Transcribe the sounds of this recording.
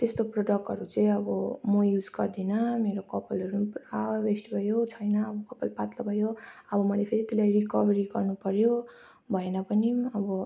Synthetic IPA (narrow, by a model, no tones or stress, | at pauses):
t̪est̪oproɖʌk̚ʈɦʌɾut͡sʌ̃ĩʌbʌmʌjud͡zɡʌrd̪inʌmeɾokʌpʌlʌɾupabesʈbʱʌjot͡sʰʌjnʌːbʌkʌpʌlpat̪lʌbʱʌjoʌbʌmʌlepʰeɾit̪elajrikʌbʱʌɾiɡʌrnupʌɾjo | bʱʌenʌpʌniʌbʌ